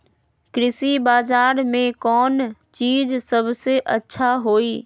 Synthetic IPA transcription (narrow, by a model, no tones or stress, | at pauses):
kɾɪsibaːzaːɾmẽkɔːnt͡ʃiːzsɐbʱseʔɐtːʃʰaɦoːiː